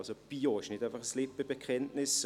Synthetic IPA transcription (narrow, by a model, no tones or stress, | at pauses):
sob̥iːoɪʃnɪtaɪfɐχəslɪpːəb̥ekʰɛntnɪs